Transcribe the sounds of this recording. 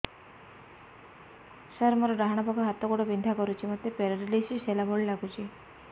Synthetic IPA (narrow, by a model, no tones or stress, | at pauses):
səɾmɔɾɔɾaɦaɽ̃ɔbaɡɔɦat̪ɔkuɽɔbind̪ʱakɔɾut͡ʃʰimɔt̪ːepeɾɔɾlisiselabʱoɭilaɡut͡ʃʰi